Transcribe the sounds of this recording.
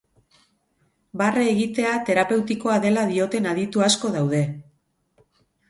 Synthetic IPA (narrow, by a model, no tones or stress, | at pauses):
bareːɣit̪e̞at̪e̞ɾape̞wt̪iko̞aðe̞laðio̞t̪e̞naðit̪uasko̞ðawðe̞